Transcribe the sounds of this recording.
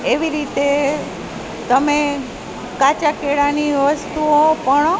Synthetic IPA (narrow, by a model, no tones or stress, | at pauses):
eʋiɾit̪e | t̪əme | kat͡ʃakeɽaniʋəst̪uõpəɳ